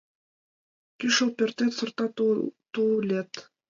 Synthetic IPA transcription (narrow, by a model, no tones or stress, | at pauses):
kyʃolˠpʲert̪et̪sɤ̆rt̪ɑt̪ulʲet̪